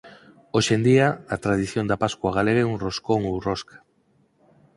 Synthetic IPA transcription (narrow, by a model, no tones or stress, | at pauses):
oʃend̪iaat̪ɾað̞iθjond̪apaskwaɣ̞aleɣeunroskoŋowroskḁ